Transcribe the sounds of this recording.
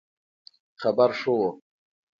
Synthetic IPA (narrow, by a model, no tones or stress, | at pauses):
χabaɾʂowo